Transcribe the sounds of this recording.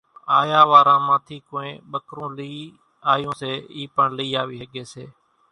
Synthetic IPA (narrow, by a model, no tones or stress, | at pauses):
aːjaːʋaːɾãːmãːt̪ʰiːkõːẽːɓəkɾõːliː | aːjõːseːiːpəɳləiːaːʋiɦeːɠeːsḛː